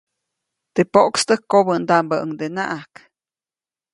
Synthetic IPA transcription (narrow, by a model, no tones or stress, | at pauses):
t̪epoʔkst̪əkːobənd̪aʔmbaəŋd̪ena̰ʔak